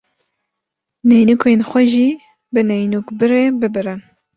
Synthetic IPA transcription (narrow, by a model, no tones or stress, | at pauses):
nɛjnukenxʷɛʒiː | bɨnɛjnukbɨɾeːbɨbɨɾɨn